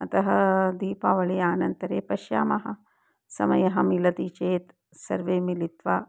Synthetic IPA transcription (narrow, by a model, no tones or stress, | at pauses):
ɐt̪ɐɦɐd̪iːpaːʋɐɭeːaːnɐnt̪ɐɾeːpɐʃja̰ːmɐɦɐ | sɐ̰mɐ̰jɐɦɐmilɐt̪iːt͡ʃeːt̪ | sɐɾʋeːmilit̪ʋaː